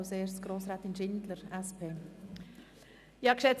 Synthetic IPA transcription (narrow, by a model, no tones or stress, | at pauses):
seːsɡ̥ɾoːsɾɛːt̪ɪnʃɪndləɾɛspʰeː | jɑkʃɛt͡s